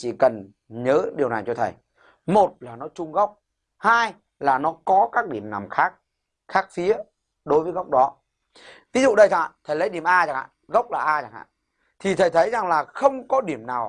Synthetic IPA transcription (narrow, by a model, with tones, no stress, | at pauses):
t͡ɕḭ˧˨kə˨˩n | ɲəː˨˦ɗi˨˩əwna˨˩jt͡ɕɔ˧t̪ʰə˨˩j | mo˨˩t̚laː˨˩nɔ˨˦t͡ɕʊ˧ŋ͡mɣa˦˥wk͡p̚ | haː˧j | laː˨˩nɔ˨˦kɔ˨˦kaː˦˥k̚ɗi˧˩əmna˨˩mxaː˦˥k̚ | xaː˦˥k̚fi˨˦ə | ɗo˨˦jvəː˨˦jɣa˦˥wk͡p̚ɗɔ˨˦ | t̪ʰi˨˦zṵ˧˨ɗə˧jsa̰˧˨t̪ʰə˨˩jlə̰˨˦jɗi˨˩əmʔaː˧t͡ɕa˨˩ŋʔa̰ː˧˨ɣə˦˥wk͡p̚laː˨˩ʔaː˧t͡ɕa˨˩ŋʔa̰ː˧˨ | t̪ʰi˨˩t̪ʰə˨˩jt̪ʰə˨˦jza˨˩ŋlaː˨˩xə˧wŋ͡mkɔ˨˦ɗi˧˩əmnaː˨˩w